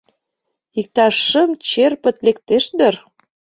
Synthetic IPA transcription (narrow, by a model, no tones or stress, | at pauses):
ik̚t̪ɑʃːəmt͡ɕerpə̆t̪lekt̪eʃd̪ə̆r